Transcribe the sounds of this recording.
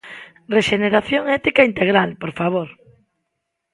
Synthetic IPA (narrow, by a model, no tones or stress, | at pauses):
reʃeneɾaθjoŋɛt̪ikaint̪eɣɾalpoɾfaβ̞oɾ